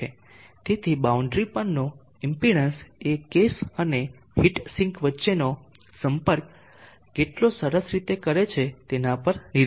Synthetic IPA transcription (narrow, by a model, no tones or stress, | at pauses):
e | t̪et̪ʰibauɳɖɾipənno | impiɽənsekesəne | hiʈsĩŋkʋətːʃeno | səmpəɾk̚ | keʈlosəɾəsɾit̪ekəɾet͡ʃʰet̪enapəɾni